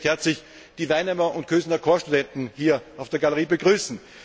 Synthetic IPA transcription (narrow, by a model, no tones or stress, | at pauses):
hɛɐt͡slɪç | d̥iːvaɪnhɛmɐʊntkʰøːzənɐkʰoːɐʃtudɛntn̩hiːɐaʊfd̥eːɐɡaləʁiːbəɡʁyːsn̩